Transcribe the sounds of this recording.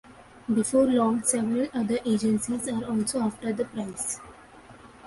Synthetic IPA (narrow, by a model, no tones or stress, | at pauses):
bɪfoːɾlɔ̃ːŋsɛʋɾəlʌd̪əɾʔeːd͡ʒə̃nsizaːɾɔːlsoaːfʈəɾd̪əpɾaɪs